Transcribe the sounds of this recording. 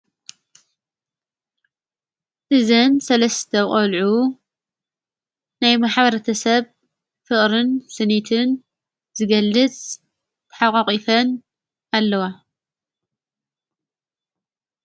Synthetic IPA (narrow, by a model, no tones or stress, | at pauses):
ʔɨzɐnsɐlɐst̪ʰɐqʼɐlʕu | najmaħbɐɾɐt̪ʰɐsɐβ | fɨχʼɾɨnsɨnit̪ʰɨn | zɨɡɐlːɨt͡sʼ | t̪ʰɐ̥ħaqʼaqʼifɐn | alːɐwa